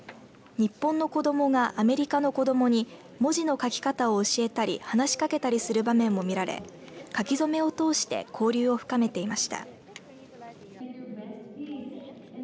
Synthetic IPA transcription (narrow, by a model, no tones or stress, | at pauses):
ɲ̟ipːõ̞nːo̞ko̞d̪o̞mo̞ŋaʔame̞ɾʲikano̞ko̞d̪o̞mo̞ɲ̟i | mo̞ʑino̞kakʲi̥kat̪ao̞ɯ̟ɕie̞t̪aɾʲḭhanaɕi̥kake̞t̪aɾʲisɨɾɯ̟bamẽ̞mːo̞mʲiɾaɾḛ | kakʲizo̞me̞o̞t̪o̞ːɕi̥t̪e̞̰kʰo̞ːɾʲɨːo̞ɸɯ̟̥kame̞t̪e̞imaɕi̥t̪a̰